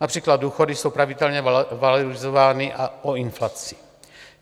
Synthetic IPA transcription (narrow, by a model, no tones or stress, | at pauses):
napr̥iːklad̪̚duːxo̞dɪso̞wpɾavɪdɛlɲɛvaloɾɪzovaːnɪʔaʔoɪnflat͡sɪ̥